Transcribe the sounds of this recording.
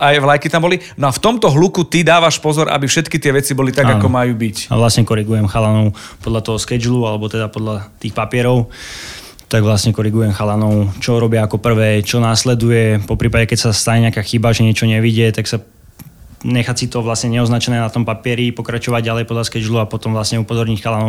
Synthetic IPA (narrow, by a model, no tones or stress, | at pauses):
ajʋlajkit̪ambɔli | nɔaft̪ɔmt̪ɔɦlukut̪id̪aːʋaʃpɔzɔɾʔa̰bifʃɛt̪kit̪ɪɛʋɛt͡sibɔlit̪aɡaɡakɔmajuːbica̰ʋlasɲɛkɔɾiɡujɛmxalanɔʊpɔd̪ʎat̪ɔɦɔskɛd͡ʒlualɛbɔt̪ɛd̪apɔd̪ʎat̪iːxpapɪɛɾɔʊ | t̪aɡʋlasɲɛkɔɾiɡujɛmxalanɔʊt͡ʃɔɾɔbɪaːkɔpr̩ʋɛːt͡ʃɔnaːslɛd̪ujɛpɔpɾiːpaɟɛkɛcsast̪aɲɛɲɪakaːxibaʒɛɲɪɛt͡ʃɔɲɛʋiɟɛt̪aksa | ɲɛxat͡sit̪ɔʋlasɲɛɲɛɔznat͡ʃɛnɛːnat̪ɔmpapɪɛɾipɔkɾat͡ʃɔʋaɟɟalɛjpɔd̪ʎaskɛd͡ʒluapɔt̪ɔmʋlasɲɛupɔzɔɾɲicxalanɔʊ